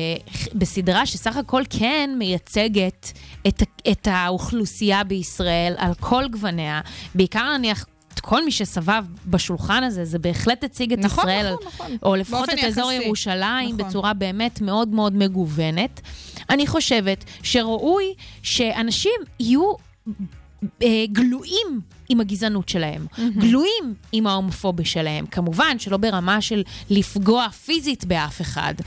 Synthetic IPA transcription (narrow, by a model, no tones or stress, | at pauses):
besidʁaʃe̞saχako̞lkʰenme̞jat͡seɡetetetauχlusijabeisʁae̞la̰lkʰo̞lɡvane̞abeikaʁnaniaχ | kʰo̞lmiʃesavavbaʃulχanaze̞zebe̞ːχle̞tjat͡siɡeʁaelalʔolefaχotetezo̞ʁjeʁuʃalaimbet͡suʁabe̞ːme̞tme̞o̞dmeo̞dme̞ɡuve̞ne̞taniχo̞ʃe̞ve̞tʃe̞ʁaʔujʃe̞ʔanaʃimiju | ɡluʔim | imaɡizanutʃe̞lahe̞̰mɡluimimaomfo̞biʃe̞lahe̞̰mkʰamuvanʃe̞lo̞be̞ʁamaʃe̞lːifɡo̞afizitbeafe̞χa̰d